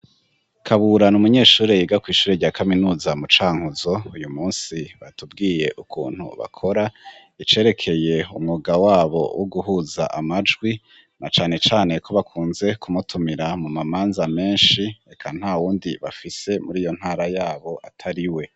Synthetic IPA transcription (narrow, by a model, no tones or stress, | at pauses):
kʰaβuɾanumuɲe̞ːʃuːɾejiɡakwiːʃuːɾeɾɟaːkʰaminuːzamut͡ʃaːŋhuzo̞ujumuːnsiβa̰tubɡiːje̞ʔukʰṵːn̥hṵβa̰kʰo̞ɾa | it͡ʃe̞ːɾe̞kʰe̞je̞ṵmŋuːɡawaːβo̞̰wʔoɡuɦuːza̰ʔamad͡ʒɡwi | nat͡ʃaːne̞t͡ʃaːne̞kʰo̞βakʰuːnze̞kʰumutʰumiɾamumamaːnzame̞ːnʃie̞kʰan̥haːwuːndiβa̰fise̞muɾiːjo̞n̥haːɾajaːβo̞ʔatʰaɾiwe̞